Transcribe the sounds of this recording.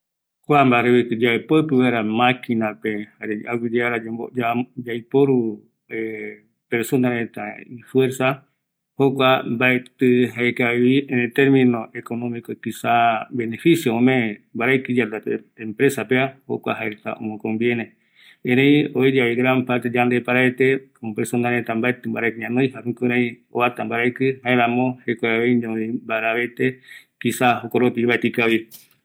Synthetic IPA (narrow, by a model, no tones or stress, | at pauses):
kʷambaɾeβikɨd͡ʒapopɨweɾamãkinapehaɾeʔaɡʷiɾaɾad͡ʒeod͡ʒad͡ʒajpoɾu | e | peɾsonaɾet̪a̰ifweɾsa | hokʷambaet̪ɨɦaekaβiet̪eɾmĩnõʔekonõmĩkokisabenefisjoomẽmbaɾakɨd͡ʒad̪at̪eempɾesapeaho̰kʷa̰ɦaeɾet̪a̰ʔõ̰mõkombjenẽ | ẽɾẽioed͡ʒaβiɡɾampaɾt̪ed͡ʒand̪epaɾaet̪ekopesond̪aɾet̪ambaet̪ɨmbaɾakɨɲãnoj̃hamĩkuɾãĩ | oβat̪ambaɾajkɨɦaeɾãmõhekaaβejõebaɾaβet̪ekisaɦokoɾopiβaet̪ikaβi